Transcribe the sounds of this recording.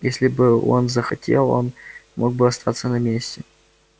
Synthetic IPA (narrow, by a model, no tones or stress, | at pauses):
jesʲlʲɪbɨo̞nzəxɐtʲʰe̞lˠo̞̰nmʔo̞ɡ̚bɨɐst̪ʰat̪sənɐmʲesʲtʲɪ